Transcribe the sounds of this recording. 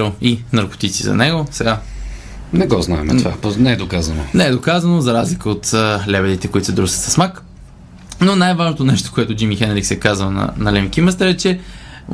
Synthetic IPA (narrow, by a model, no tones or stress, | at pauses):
ɾəlˠinɐɾko̥t̪it̪sizɐ̰nɛɡosɛɡa | nɛɡɔznaɛ̰mɛ̰t̪vaponɛɛd̪okazɐno̰nɛɛd̪okazənozɐɾazlikəot̪əlɛbɛd̪it̪ɛkoit̪sɛd̪ɾusət̪sɐsmak | nonajvaʒnot̪onɛʃt̪o̥koɛt̪ʊd͡ʒimixɛnɾiksɛkazvənɐ̰nɐlɛmikiməst̪əɾɛt͡ʃɛ